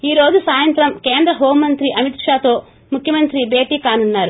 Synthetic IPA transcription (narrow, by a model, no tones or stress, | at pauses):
iːɾo̞ːd͡ʒusaːjɐnt̪ɾɐmkeːnd̪ɾɐɦoːmːɐnt̪ɾiʔɐmit̪ʂaːt̪o̞ː | mukʰjɐmɐnt̪ɾibe̞ːʈiːkaːnunːaːɾu